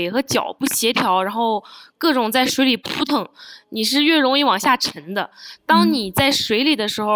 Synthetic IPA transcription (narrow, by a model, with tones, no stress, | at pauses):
ɪxɤ˧˥t͡ɕjɑ̰˨˩ʊpu˥˩ɕjɛ˧˥t̪ʰjɑ˧˥ʊɻa˧˥nxo˥˧ʊkɤ˥˩ʈ͡ʂʊ˨˩ŋt͡sa˥˩ɪʂwe˧˥ɪli˨˩pʰu˧˥t̪ʰɤ˧˥˦ŋni˨˩ʂ̬ɻ̩˥˧ɥɛ˥˩ɻʊ˧˥ŋi˥˩wɑ˨˩ŋɕja˥˩ʈ͡ʂʰə˧˥ŋd̪ə˧t̪ɑ˥ŋni˨˩t͡sa˥˩ɪʂwe˧˥ɪli˨˩d̪ə˦ʂɻ̩˧˥xo˧ʊ